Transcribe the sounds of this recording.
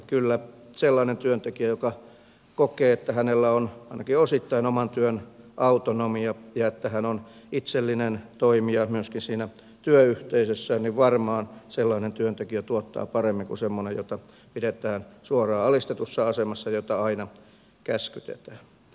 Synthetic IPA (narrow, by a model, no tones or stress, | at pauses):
kylːæselːɑinent̪yønt̪ekiæjokɑ | kokeːet̪ːæhænelːæonɑinɑkiosit̪ːɑinomɑnt̪yøn | ʔɑut̪onomiɑjɑet̪ːæhænon | it̪selːinent̪oimiɑmyøskinsiːnæ | t̪yøyht̪eisøsːænniʋʋɑrmɑːnselːɑinent̪yønt̪ekiæt̪uot̪ːɑ̰ːpɑremːiŋkusemːonejo̰t̪ɑ | pidet̪æːnsuorɑːɑlist̪et̪usːɑɑsemɑsːɑjot̪ɑɑinɑ | kæskyt̪ḛt̪æ̥ːn